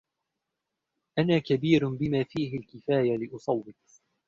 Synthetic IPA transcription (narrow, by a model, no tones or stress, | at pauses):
ʔanaːkabiːɾbɪmaːfiːɦɪlkɪfaːjalɪʔʊsˤɑwːɪt̪